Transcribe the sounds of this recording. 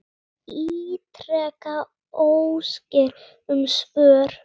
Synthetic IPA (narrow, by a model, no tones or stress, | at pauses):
iːt̪ɾɛːka | owscɪɾ | ʏmsvœːɾ̥